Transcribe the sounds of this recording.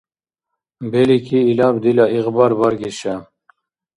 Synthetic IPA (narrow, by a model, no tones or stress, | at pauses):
belikʰiːlɑbd̪ilɑiɣbɑɾbɑɾɡiʃa